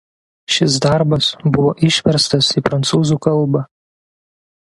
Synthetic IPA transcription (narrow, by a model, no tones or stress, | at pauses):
ʃʲɪs̬d̪ɑˑɾbɐsbʊʋoʔɪʃʲʋʲɛɾst̪ɐsipɾɐnt̪suːzuːkɐlˠˑbɑ